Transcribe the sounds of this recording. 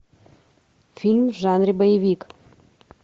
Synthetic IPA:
filʲmʒɑnribojevʲik

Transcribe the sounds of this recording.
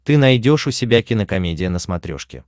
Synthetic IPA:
t̪ɨnɐjdʲo̞ʂʊsʲɪbʲakʲɪnəkɐmʲedʲɪjənəsmɐt̪ɾʲo̞̰ʂkʲɪ̰

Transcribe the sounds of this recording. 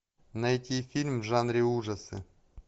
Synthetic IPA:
nɐjtʲifʲilʲmvʐanɾʲɪuʐɐsɨ̰

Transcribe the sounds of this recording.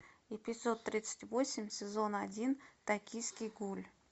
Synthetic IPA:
ipʲɪt̪ʲso̞t̪ːɾʲit̪sɨ̥tʲvo̞sʲɪmʲsʲɪzo̞nɐdʲint̪ɐkʲijskʲɪjɡulʲ

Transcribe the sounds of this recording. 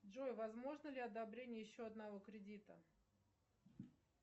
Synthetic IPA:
ʐojvɐzmo̞ʐnəlʲɪɐd̪ɐbɾʲenʲɪjjɪɕːo̞ɐd̪nɐvo̞kɾʲɪdʲit̪ə̰

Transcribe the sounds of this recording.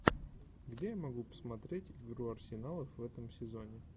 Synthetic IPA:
ɡdʲejamɐɡupə̥smɐt̪ɾʲetʲɪɡɾuɐrsʲɪnalˠəfːɛt̪əmsʲɪzo̞nʲɪ

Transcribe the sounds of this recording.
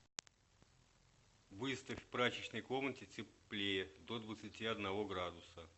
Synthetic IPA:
vɨst̪əfʲpɾat͡ɕɪt͡ɕnəjko̞mnətʲɪt͡sʲɪplʲejɪd̪od̪vət̪sɨtʲiɐd̪nɐvo̞ɡɾad̪ʊsə

